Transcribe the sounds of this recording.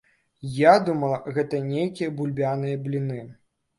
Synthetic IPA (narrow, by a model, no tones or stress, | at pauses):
jad̪umɐlˠɣɛt̪ɐnʲejkʲijɐbulʲbʲanɨjɐblʲinɨ